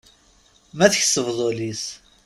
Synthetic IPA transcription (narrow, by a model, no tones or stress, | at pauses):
mæθəçsːəvðˤolis